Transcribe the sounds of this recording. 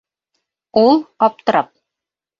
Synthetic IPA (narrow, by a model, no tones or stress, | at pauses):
ulˠɒp̚t̪ɤ̆ɾɤp̚